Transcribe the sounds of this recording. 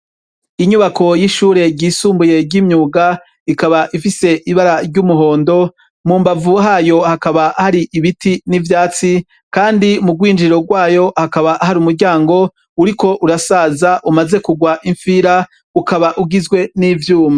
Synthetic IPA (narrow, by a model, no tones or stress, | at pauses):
iɲuβakʰo̞jiʃuːɾe̞ɟiːsuːmbuje̞ɾɟimɲuːɡa | ikaβaʔifise̞ʔiβaɾaɾɟumuɦo̞ːndo̞ | muːmbavuɦaːjo̞hakaβahaɾiʔiβitinivjaːt͡si | kaːndimuɡwiːnd͡ʒiɾo̞ɡwaːjo̞hakaβaʔɦaɾumuɾɟaːŋɡo̞ | uɾiko̞ʔuɾasaːzaʔumaze̞kuɡwaʔiɱfiːɾa | ukaβaʔuɡizɡwe̞niːvjuːma